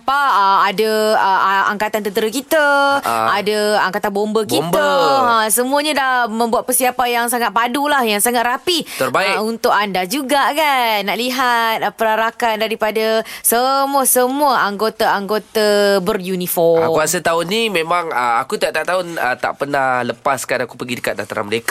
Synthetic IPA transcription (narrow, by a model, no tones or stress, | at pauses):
paadaəa̰ŋkat̪ant̪ənt̪əɾəkit̪aadaaŋkat̪anbombəkimbəasəmũəɲadahmə̃mbuat̪̚pərsiapajaŋsaŋat̪̚padulahjaŋsaŋat̪rapit̪ərbaɪunt̪ʊkandad͡ʒuɡakannːaʔliɦat̪̚pəɾaɾakandaɾipadasəmuəsəmũəʔaŋɡot̪aaŋɡot̪abərjunifɔakuasət̪aʊnimẽmãŋəakut̪aʔt̪aʔt̪aʊnə̰t̪a̰ʔpənahləpaskanakupəɡidəkat̪̚da̰t̪aɾa̰məlek